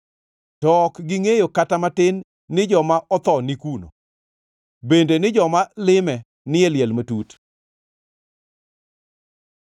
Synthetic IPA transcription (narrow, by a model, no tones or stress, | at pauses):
tɔkɡɪŋejokatamatɪnː | ɪd͡ʒɔmaʔɔt̪ɔnikuno̰ | bendenɪd͡ʒɔmalɪmɛ | nɪeljɛlmatut